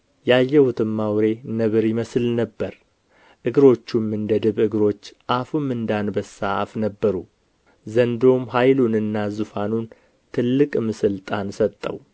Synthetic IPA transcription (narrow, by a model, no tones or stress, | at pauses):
jajːɛhʊt̪ʰɨmːawɾe̞nəβɨɾjɪməslnəbːəɾ | ʔɨɡɾo̞t͡ʃːumɨnd̪əd̪ɨβɨɡɾo̞t͡ʃːʔafumːɨnd̪anbəsa̰fnəbːəɾu | zənd̪o̞mɦajlunɨnːazufanun | t̪ʰɨlːɨkʼmɨsɨlt̪ʼansət̪ʼːə̰w